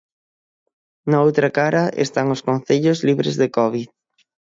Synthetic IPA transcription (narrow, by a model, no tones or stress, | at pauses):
naowt̪ɾɐkaɾɐʔḛst̪aŋʊskon̟θeʎozliβɾezðekɔβið